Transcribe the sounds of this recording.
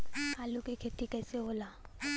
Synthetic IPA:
aːlukekʰet̪ikɛːseboːla

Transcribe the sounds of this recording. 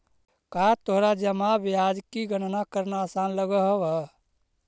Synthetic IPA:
kat̪oɦɾad͡ʒəmabjad͡ʒkiɡənnakəɾnaːsanləɡəɦwə

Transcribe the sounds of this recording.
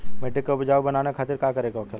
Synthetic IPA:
bɛːʈekːobɪd͡ʒaːubɐnaːnekʰaːt̪ɪɾkaːkɐɾeːɡaʋɐkʰel

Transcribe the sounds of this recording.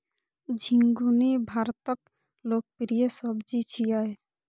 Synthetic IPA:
d͡ʒʱiŋɡunibʱaɾt̪ɔk | lok̚pɾijesɔbd͡ʒit͡ʃʰijaj

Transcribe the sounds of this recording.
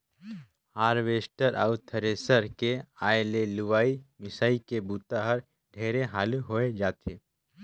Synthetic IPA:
haːɾʋeːsʈəɾʔa̰ʊt̪ʰəɾeːsəɾkeaːeleluʋaːimɪsaːikebuːt̪aɦəɾ | ɖʱeːɾeɦaːluɦoːed͡ʒaːt̪ʰeː

